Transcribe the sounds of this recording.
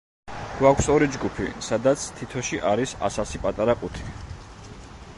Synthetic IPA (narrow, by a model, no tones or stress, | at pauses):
ɡ̥wakʷʰsɔɾid͡ʒɡupʰḭsad̪at̪sʰt̪ʰit̪ʰɔʃiʔaɾisa̰sasipʼat̪ʼaɾakʼut̪ʰi̥